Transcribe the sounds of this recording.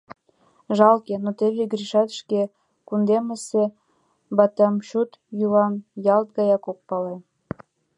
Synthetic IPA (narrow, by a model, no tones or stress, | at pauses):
ʒɑlkenot̪eβeɡɾiʃɑt̪ʃke | kund̪eməse | bɑt̪ʲɑmʃut̪ | julɑmjɑlt̪̚ɡɑjɑkok̚pɑle